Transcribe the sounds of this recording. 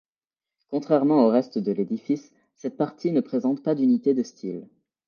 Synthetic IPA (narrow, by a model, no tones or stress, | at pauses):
kɔ̃t̪χɛʁmɑ̃oʁɛst̪d̪əled̪ifisː | ɛt̪̚paʁt̪ʰinəpχezɑ̃t̪pad̪ynit̪ed̪əst̪ʰil